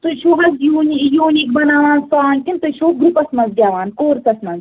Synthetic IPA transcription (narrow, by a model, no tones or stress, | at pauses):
t̪oʃoːɦɐsjuːnʲijuːnikbɐnaːʋãːnsaːnkint̪ɐʃoːɡɾupɐsmɐnzɡʲjaːʋaːnkoːɾsɐsmɐnz